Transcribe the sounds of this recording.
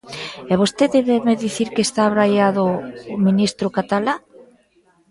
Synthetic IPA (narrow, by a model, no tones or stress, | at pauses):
ɛβost̪eðeβemeðiθiɾkest̪aβɾajaðʊːminist̪ɾʊkat̪ala